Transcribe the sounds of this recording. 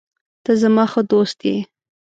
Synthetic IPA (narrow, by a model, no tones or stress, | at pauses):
t̪əzamɑxəd̪ost̪̚d̪e